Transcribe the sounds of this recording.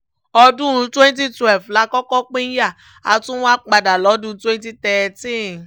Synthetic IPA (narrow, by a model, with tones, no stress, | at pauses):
ɔ˧dũ˦˨˧twe˦n˦t̬i˦twɛ˦˨lfla˧˦kɔ˦kɔ˦k͡pẽ˦ja˦˨ | a˧tũ˦w̃ã˦k͡pa˧da˨lɔ˨˦dũ˦˧˦twẽ˦n˦ti˦tɛ˨tĩ˦˨